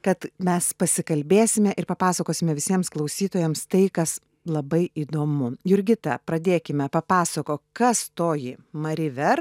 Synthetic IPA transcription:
kɐt̪mʲɛspɐsʲɪkɐlʲbʲeːsʲɪmʲɛʔɪɾpɐpɑːsɐkoːsʲɪmʲɛʋʲɪsʲiɛmsklˠɐɒʊsʲiːt̪oːjɛmst̪ɐɪkɐs | lˠɐbɐɪʔiːd̪oːmʊjʊɾʲɡʲɪt̪ɐpɾɐd̪ʲeːkʲɪmʲɛpɐpɑːsɐkoːkɐst̪oːjɪmɐɾʲɪʋʲɛr

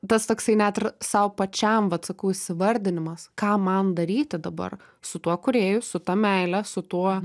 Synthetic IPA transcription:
t̪ɐst̪oːksɐɪnʲæt̪ʲɪɾsɐʊpɐt͡ʃʲɛmʋɐt̪sɐkɐʊɪsʲɪʋɐɾʲd̪ʲɪnʲɪmɐskɑːmɐnd̪ɐɾʲiːt̪ʲɪd̪ɐbɐ̰r | sʊt̪uɔkʊɾʲeːjʊsʊt̪ɐmʲɛɪlʲæsʊt̪uɔ

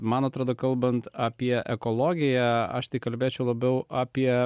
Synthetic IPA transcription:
mɐnɐt̪ɾoːd̪oːkɐlˠbɐnt̪ɑːpʲiɛʔɛkoːlˠoːɡʲɪjæɐ̰ʃt̪ɐɪkɐlʲbʲeːt͡ʃʲɛʊlˠɐbʲɛʊʔaːpʲiɛ

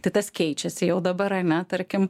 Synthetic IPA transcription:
t̪ɐɪt̪ɐskʲɛɪt͡ʃʲɛsʲɪjɛʊd̪ɐbɐɾɐnʲɛt̪ɐɾʲkʲɪm

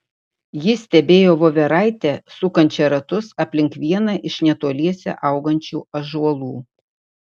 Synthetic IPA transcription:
jɪsʲt̪ʲɛbʲeːjoːʋoːʋʲɛɾɐˑɪt̪ʲɛsʊkɐnʲt͡ʃʲɛɾɐt̪ʊsɐpʲlʲɪŋkʋʲiɛnɐʔɪʃnʲɛt̪oːlʲiɛsʲɛ̰ʔɐʊɡɐnʲt͡ʃʲuːɐʒʊɐlˠuː

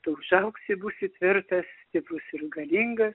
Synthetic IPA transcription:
t̪ɐʒɐʊksʲɪbuːsʲɪt̪ʲʋʲɪɾt̪ɐst̪ʲɪpʊsʲɪɾɡɐlʲiŋɡɐs

